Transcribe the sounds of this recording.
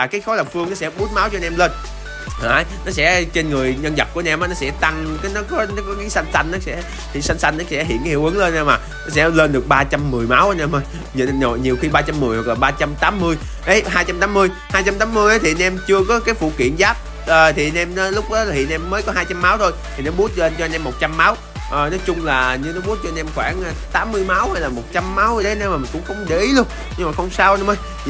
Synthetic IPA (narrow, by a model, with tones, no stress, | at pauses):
aː˨˩kaː˨˦jxɔ˨˦la˨˩k͡p̚fɨ˧əŋnɔ˨˦sɛ̰˧˥ɓu˨˦˥n̚ma˨˦wt͡ɕɔ˧nʔɛ˧mle˧n˨ | aː˨˩jnɔ˨˦sɛ̰˧˥t͡ɕe˧nŋɨ˨˩əjɲə˧nzə˨˩p̚ku˧˩ə˧˦ʔɛ˧mʔaː˨˦nɔ˨˦sɛ̰˧˥t̪a˧ŋka˨˦jnɔ˨˦kɔ˨˦nɔ˨˦kɔ˨˦ɣḭ˧˦sa˧jŋ̟sa˧jŋ̟ʔɔ˨˦sɛ̰˧˥ | t̪ʰi˨˩sa˧jŋsa˧jŋ̟ʔa˨˦sɛ̰˧˥ɦḭ˧˨ənka˨˦hi˧˨wʔɨ˨˦ŋləː˧nʔa˧maː˨˩ | nɔ˨˦˥sɛ̰˧˥ləː˧nɗɨ˨˩ək̚ɓaː˧t͡ɕa˧mːɨ˨˩əjmaː˨˦wʔaː˨˧˦nʔɛ˧mə˧j | ɲ˧˨o̰˨jɲi˨˩wxi˧ɓaː˧t͡ɕa˧mːɨ˨˩əjhwa˨˩k̚laː˨˩ɓaː˧t͡ɕa˧mt̪aː˨˦mːɨ˧əj | ʔə˨˦jɦaː˧jt͡ɕa˧mt̪aː˨˦mːɨ˧əj | haː˧jt͡ɕa˧mt̪aː˨˦mːɨ˧əjʔə˨˦t̪ʰi˨˩ʔa˧nʔɛ˧mt͡ɕɨ˧əkɔ˨˦kaː˨˦jfṵ˧˩kḭ˧˨ənzaː˦˥p̚ | ʔəː˨˩t̪ʰi˨˩ʔa˧nʔɛ˧m˨˦lʊ˦˥k͡p̚ɗɔ˨˦laː˨˩ɦḭ˧˩ə˨nʔɛ˧mːəː˨˦jkɔ˨˦ɦaː˧jt͡ɕa˧mːaː˨˦wt̪ʰo˧jt̪ʰi˨˩nɔ˨˦ɓu˦˥ət̚t͡ɕle˧nt͡ɕɔ˧ʔnʔɛ˧mːo˨˩t̚t͡ɕa˧mːa˨˦w | ʔəː˨˩nɔ˨˦jt͡ɕʊ˧ŋ͡mlaː˨˩ɲɨ˧nɔ˨˦ɓu˦˥ət̚t͡ɕɔ˧nʔɛ˧mxwaː˧˩nʔt̪aː˨˦mːɨ˧əjma˨˦whaː˧jlaː˨˩mo˨˩t̚t͡ɕa˧mːa˨˦wə˧˦ɗə˨˦jnɛ˧˦wmaː˨˩mə˨˩nkʊ̰˧˥ŋ͡mxə˧wŋ͡mɗe˧˦ʔi˨˦lu˧əŋ | ɲɨ˧ŋmaː˨˩xə˧wŋ͡msaː˧wnɛ˧˦məː˨˦j